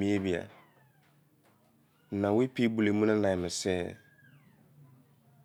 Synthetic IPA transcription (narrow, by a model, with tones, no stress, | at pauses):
mĩ˦e˦bi˨a̰˨ | nã˨wɪ˦pʰi˦bu˨le˨mũ˦nã˦nã˨mɪ̃˨sɛ˦